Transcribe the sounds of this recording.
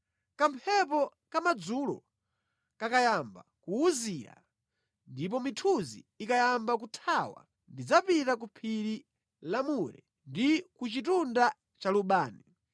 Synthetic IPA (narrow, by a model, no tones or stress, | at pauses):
kampʰɛp̬ɔ | kamad͡zulɔ̰ | kakajamba̰kuːzija̰ | ndip̬ɔmitʰuzḭːkajambak̬utʰawa̰ | ndid͡zapitak̬upʰiɾi | lamuɾɛ̰ | ndikut͡ʃitunda | t͡ʃaluɓaːni